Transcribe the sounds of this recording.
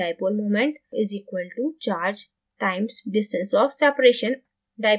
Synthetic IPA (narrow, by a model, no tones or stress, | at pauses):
aɪpolmoːmẽɳʈɪziːkwəlʈut͡ʃaːɾd͡ʒ | ʈãɪ̃msɖɪsʈə̃nsɔːfsɛpəɾeʃə̃n | ɖaɪ